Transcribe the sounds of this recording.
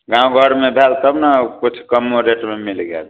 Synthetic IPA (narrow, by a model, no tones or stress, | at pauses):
ɡãũɡʱəɽmebʱelt̪əbnakut͡ʃʰkəmːoɾeʈmemilɡḛl